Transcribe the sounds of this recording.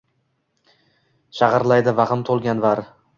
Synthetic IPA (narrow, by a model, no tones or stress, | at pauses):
ʃɑʁɑɾlˠajd̪ɪvaʁɨmt̪ʰolˠɡʲanvaɾ